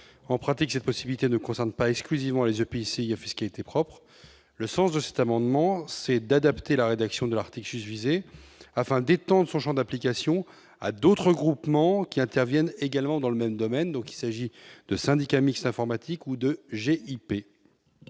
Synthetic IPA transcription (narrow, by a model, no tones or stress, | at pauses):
ɑ̃pχat̪iksɛt̪̚pɔsibilit̪enəkɔ̃sɛʁnpaɛksklyzivmɑ̃lezøpeiseafisə̥kalit̪epχɔpχ | ləsɑ̃sd̪əsɛ̥t̪amɑ̃d̪mɑ̃sɛd̪ad̪apt̪elaʁed̪aksjɔ̃d̪əlaʁt̪iklsysvizeafɛ̃d̪et̪ɑ̃d̪ʁəsɔ̃ʃɑ̃d̪aplikʲasjɔ̃ | a̰d̪ot̪χəɡʁupmɑ̃kʲiɛ̃t̪ɛʁvjɛneɡalmɑ̃d̪ɑ̃ləmɛmd̪ɔmɛnd̪ɔ̃ki̥lsaʒid̪̥əsɛ̃d̪ikamikst̪ɛ̃fɔʁmat̪ʰikud̪əʒeʔipe